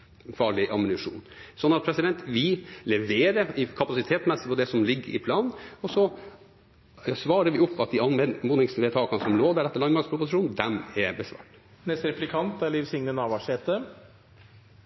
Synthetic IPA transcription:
fɑːɭɪʔɑmənʉʂṵːnsɔnːɑt̪̚pʰɾɛsɪd̪ɛnt̪ʋɪlɛʋeːɾəɪkʰɑpɑsɪt̪ʰeːt̪smɛsːəpɔd̪ɛsɔmlɪɡːəɾɪ̰pʰlɑːnɔsɔ | sʋɑːɾəʋɪʊpːɑt̪̚d̪ɪɑnʋɛmuːnɪŋsʋeːt̪ʰɑːkɑnəsɔmloːd̪æɖɛt̪ːəlɑnmɑɾspʰɾʊpʊsɪʂuːnd̪ɛmɛbəsʋɑ̰ːʈ | nɛst̪ɾɛplɪkʰɑnt̪æɭiʋsɪŋnənɑːʋɑʂeːt̪ə

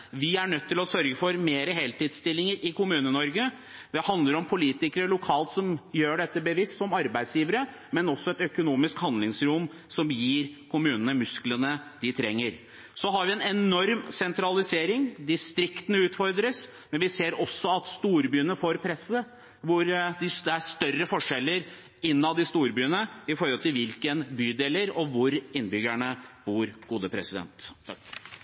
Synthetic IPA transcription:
ʋɪæɳœt̪ʰːɪlɔsœɾɡəfɔɾmeːɾəɦeːlt̪iːd̪st̪ɪlːɪŋəɾʔɪkʰʊmʉːnənɔɾɡə | d̪ɛhɑnd̪ləɾɔmpʰʊliːt̪ɪkəɾəlʊkʰɑːlt̪sɔmjøːɖɛt̪ːəbəʋɪst̪sɔmɑɾbæɪd̪sjiːʋəɾə | mɛnɔsːɔɛt̪œkʊnuːmɪskhɑnd̪lɪŋsɾʊm | sɔmjiːɾkʰʊmʉːnənəmʉsklənəd̪ɪt̪ʰɾɛ̰ŋːəɾ | sɔɦɑɾʋɪɛnɛnɔɾmsɛnt̪ɾɑlɪseːɾɪŋd̪ɪst̪ɾɪkt̪ənəʉːt̪fɔɾd̪ɾəs | mɛnʋɪseːɾɔsːɔɑt̪st̪uːɾbyːənəfoːɾpʰɾɛsːə | ʋʊɾd̪ɪd̪ɛæʂt̪œrːəfɔʂɛlːəɾ | ɪnːɑd̪ɪst̪uːɾbyːənəɪfɔɾhɔlt̪ɪlʋɪlkənbyːd̪eːləɾɔʋʊɾɪnbʏɡæɳəb̥uːɾɡ̥uːd̪əpʰɾɛsɪd̪ɛ̰nt̪ʰːɑk

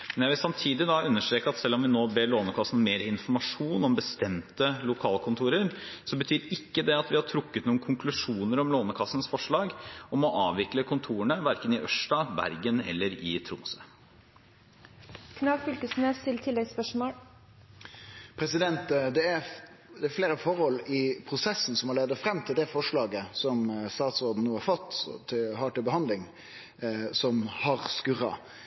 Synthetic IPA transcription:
mɛnjæʋɪsɑmt̪ʰiːd̪ɪd̪ɑʉnːəʂʈɾeːkəɑt̪sɛlːɔmʋɪnoːbeːɾɭoːnəkʰɑsːn̩meːɾɪnfɔɾmɑʂuːnɔmbəst̪ɛmt̪əlʊkʰɑːlkʰʊnt̪ʰuːɾəɾsɔbət̪ʰyːɾɪkːəd̪ɛɑt̪ʋɪhɑʈʰɾʊkːət̪nuːnkʰʊŋkʰlʉʂuːnəɾɔmloːnəkʰɑsːənsfɔʂɭɑːɡɔmɔʔɑːʋʋɪkləkʰʊnt̪ʰuːəɳəʋæɾkənɪʔœʂʈɑbæ̰ɾɡənɛ̰lːəɾɪt̪ʰɾʊmsə | kʰnɑːkfʏlkəsneːst̪ʰɪlt̪ʰɪlːɛɡspœʂmoːɽ | pʰɾɛsɪd̪ɛnt̪d̪ɛæɾd̪ɛːɾfleːɾəfɔɾhɔlːɪpʰɾʊsɛsːn̩sɔmɑleːd̪əfɾɛmːt̪ʰɪld̪ɛfɔʂɭɑːɡəsɔmst̪ɑːt̪sɔɾd̪n̩nuːhɑɾfɔt̪ːt̪ʰɪhɑːʈɪlbəhɑnd̪lɪŋ | sɔmhɑɾskʉɾɑ̰

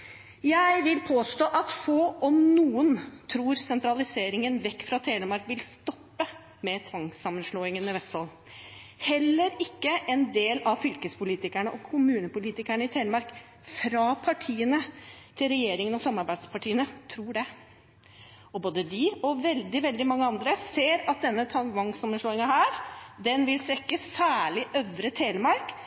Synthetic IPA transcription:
jæɪʋɪlpʰoːst̪oːʔɑt̪foːɔmnuːənt̪ʰɾuːɾsɛnt̪ɾɑlɪseːɾɪŋənʋɛkːfɾɑt̪ʰeːnəmɑɾkʋɪlst̪ɔpːə | mɛt̪ʰʋɑŋsɑmːənʂloːɪŋənmɛʋɛst̪ɑl | hɛlːəɾɪkːəʔɛnd̪eːlɑʋfʏlkəspʊliːt̪ɪkæɳəʔɔkʰʊmʉːnəpʊliːt̪ɪkæɳəɪt̪ʰeːnəmɑɾk | fɾɑpʰɑʈʰiːənət̪ʰɪlɾɛjeːɾɪŋənɔsɑmɑɾbæɪd̪spʰɑʈʰiːənət̪ʰɾuːɖɛ | ɔboːd̪əd̪ɪɔʋɛld̪ɪʋɛld̪ɪmɑŋːəɑnd̪ɾəseːɾɑt̪̚d̪ɛnːət̪ʰɑʋɑŋsɑmːənʂloːɪŋɑhæːɾd̪ɛnʋɪlsʋɛkːəsæːɭɪʔœʋɾət̪ʰeːlmɑɾk

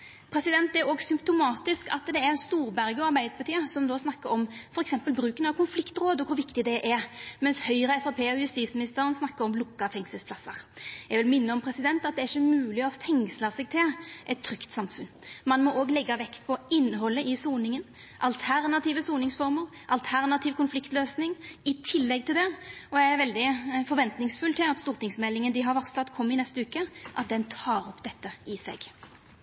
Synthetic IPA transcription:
pʰɾɛsɪd̪ɛnt̪ɛɾoːɡsʏmpt̪ʊmɑːt̪ɪskɑ̰t̪d̪ɛæɾst̪uːɾbæɾɡəɔɑɾbæɪd̪pʰɑt̪iːəsɔmd̪oːsnɑkːəɾɔmfɔɾɛksɛmpəlbɾʉːkənɑʋkʰʊnflɪkt̪ɾoːd̪ɔkʰʊɾʋɪkt̪ɪd̪ɛʔɛɾmɛnshœʏɾəɛfɑpʰeːɔjʉst̪iːt̪smɪnɪst̪əɾənsnɑkːəɾɔmlʊkːɑfɛŋsəlspʰlɑsːəɾjɛɡʋɪlmɪnːəɔmpʰɾɛsɪd̪ɛnt̪ɑt̪̚d̪ɛæɾɪçːəmʉːlɪɔfɛŋsləsɛɡ̚t̪ʰɪlʔɛt̪ʰːɾʏkt̪sɑmfʉnmɑnmɔʔoːɡlɛɡːɑʋɛkt̪pʰɔɪnːəɦɔlːəʔɪsuːnɪŋən | ʔɑlt̪ʰæʁnɑt̪iːʋəsuːnɪŋsfɔʁməɾ | ʔɑlt̪ʰæʁnɑt̪ʰiːʋkʊnflɪkt̪løːsnɪŋɪt̪ʰɪlːɛɡ̚t̪ʰɪld̪ɛɔjɛɡæɾʋɛld̪ɪfɔɾʋɛnt̪nɪŋsfʉlt̪ʰɪlɑt̪st̪uːɾt̪ɪŋsmɛlːɪŋənəd̪ɪɦɑɾʋɑʁsɑt̪kʰɔmːɪnɛst̪əʉːkəʔɑt̪̚d̪ɛnt̪ʰɑːɾɔpːd̪ɛt̪ːəɪsɛ̰ɡ

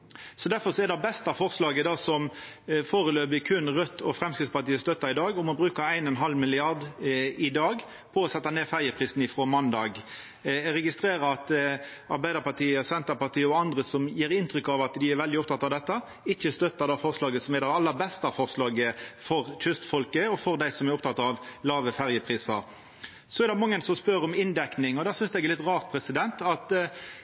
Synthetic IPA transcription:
sɔd̪æɾfɔʁʂɔɛd̪ɑbɛst̪ɑfɔʁslɑːɡəd̪ɑːsɔm | foːʁəløːbɪkʰʉnʁœt̪ʰːɔfɾɛmskɾɪtspɑʁt̪iːəst̪œt̪ːɑɪd̪ɑːɡʊmɔbɾʉːkɑæɪnɔnɦɑlmɪlɪɑʁd̪ɪd̪ɑːɡ | pʰɔɔsɛt̪ːɑneːfæɾjəpʰʁiːsn̩ɪfʁɔmɑnd̪ɑːɡ | ʁɛɡɪst̪ɾeːɾəɾɑt̪ɑɾbæɪd̪əɾpɑt̪ʰiːəsɛnt̪əpɑʁt̪iːəɔɑnd̪ʁəsɔmjiːɾɪnt̪ɾʏkːɑʋɑt̪d̪ɪæɾʋɛld̪ɪɔp̚t̪ʰɑt̪ːɑʋd̪ɛt̪ːɑ | ɪçːəst̪œt̪ːəɾd̪ɛfɔʁslɑːɡəsɔmɛɾd̪ɛɑlːəɾbɛst̪ɑfɔʁslɑːɡəfɔʁçʏst̪fɔlkəɔfɔɾd̪æɪsɔmæɾɔp̚t̪ʰɑt̪ɑʋlɑːʋəfæʁjəpʰɾiːsɑɾ | sɔɛɾd̪ɛmɑŋːənsɔmspœɾɔmɪnd̪ɛknɪŋɔd̪æːsʏnsd̪ɛɡɛɾlɪt̪ʁɑːʁt̪̚pʰɾɛsɪd̪ɛnt̪ɑt̪

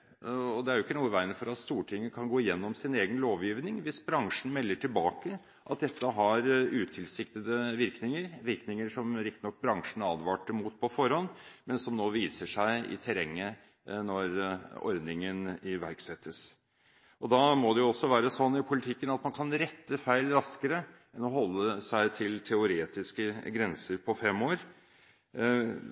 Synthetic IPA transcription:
ɔd̪ɛæɾjʊɪkːənuːəʋæɪnəfɔɾɑt̪st̪uːʈʰɪŋːəkʰɑnɡoːɪjɛnːɔmsɪneːɡənloːʋjiːʋnɪŋʋɪsbɾɑŋʂɳn̩mɛlːəʈʰɪlbɑːkə | ʔɑt̪̚d̪ɛt̪ːəɦɑɾʉːt̪ʰɪlsɪkt̪əd̪əʋɪɾknɪŋəɾʋɪɾknɪŋəʂɔmɾɪk̚t̪ɪnɔk̚ːbɾɑŋʂn̩ɑːd̪ʋɑːʈəmuːt̪̚pʰɔfɔɾhɔnːmɛnsɔmnoːʋiːsəʂæɪɪ̰t̪ʰɛɾɛŋːə | nɔɾɔ̰ɾd̪nɪŋənɪʋæɾksɛt̪ːəs | ɔd̪ɑːmɔd̪ɛjʊɔsːɔʋæːɾəsɔnːɪpʰʊlɪt̪ʰɪkːənɑt̪mɑnkʰɑnɾɛt̪ːəfæɪlɾɑskəɾə | ɛnɔɦɔlːəsæɪt̪ʰɪlt̪ʰɛʊɾeːt̪ɪskəɡɾɛnsəɾpʰɔfɛmːoːɾ

